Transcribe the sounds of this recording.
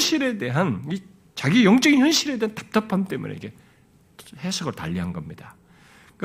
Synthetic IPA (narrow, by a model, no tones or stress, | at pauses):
ɕʰiɾe̞de̞ɦani | t͡ɕaɡijʌŋt͡ɕ͈ʌɡinçjʌnɕʰiɾe̞de̞ɦantḁp̚t͈ʌpʰamt͈e̞mṵnḛike | hesʰʌɡɯɭta̰ʎːiɦanɡʌmɲida | k